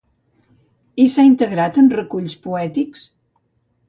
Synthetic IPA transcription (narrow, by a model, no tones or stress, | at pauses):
isaint̪əɣɾat̪ənrəkuʎspuɛt̪iks